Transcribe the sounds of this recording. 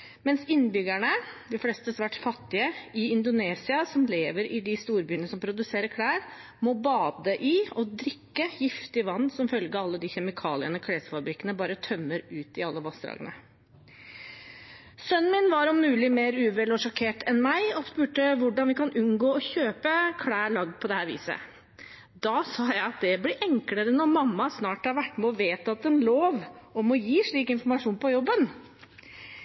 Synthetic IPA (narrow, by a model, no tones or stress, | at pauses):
mɛnsɪnːbʏɡæɳəd̪ɪflɛːst̪əsʋæːʈfɑt̪ːɪəɪɪnd̪ʊneːsɪɑsɔmleːʋəɾʔɪd̪ɪst̪uːɾbyːənəsɔmpʰɾʊd̪ʉseːɾəkʰɽæːɾ | mɔbɑːd̪əʔɪɔd̪ɾɪkːəjɪft̪ɪʋɑnːsɔmfœlɡəɑlːəd̪ɪçɛmɪkʰɑːlɪənɔkʰɽeːsəfɑbɾɪkːənəbɑːɾət̪ʰœmːəɾʉːt̪ɪɑlːəʋɑsd̪ɾɑ̰ːɡə̰nə̰ | sœnːmɪnʋɑɾɔmːʉːlɪmeːɾʉːʋɛlɔʂɔkʰeːʈɛnmæɪɔspʉːʈəʋʊɖɑnʋɪkʰɑnʔʉnɡoːɔçøːpəkʰɽæːɭɑɡ̪̚pʰɔd̪ɛhæːɾʋḭːsə̰ | d̪ɑsɑːjæɪɑt̪̚d̪ɛblɪʔɛŋkləɾənɔɾmɑmːɑsnɑːʈhɑɾʋæʈːmoːʋeːt̪ɑt̪ɛnloːʋɔmɔjiːʂɭiːkɪnfɔɾmɑʂuːnpʰɔjɔbːən